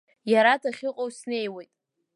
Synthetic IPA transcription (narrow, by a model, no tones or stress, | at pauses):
jaɾatʰaχʲɪqʼowsne̞jwe̞jtʼ